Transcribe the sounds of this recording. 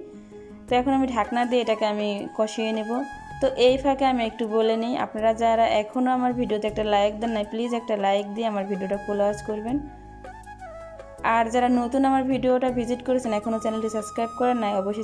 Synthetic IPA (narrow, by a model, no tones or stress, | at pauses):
t̪oɛkʰonamiɖʱaknad̪ieʈakeamikɔʃienebo | t̪oʔejfʰakeamiek̚ʈubolenijʔa̰pnaɾad͡ʑaɾaʔɛkʰonoamaɾbʱiɖiot̪eɛk̚ʈalajk̚d̪ɛnːajplid͡ʑɛk̚ʈalajk̚d̪ieamaɾbʱiɖioʈafulaad͡ʑkoɾben | aɾd͡ʑaɾanot̪unamaɾbʱiɖioʈabʱid͡ʑiʈkoɾet͡ɕʰenɛkʰonot͡ɕɛnelʈisəbskɾajb̚kɔɾenːajɔboʃːo